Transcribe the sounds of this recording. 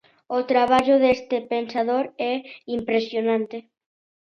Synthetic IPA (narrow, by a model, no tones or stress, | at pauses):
ot̪ɾaβ̞aʝoðest̪epensað̞o̞ɾeimpɾesjonãnt̪e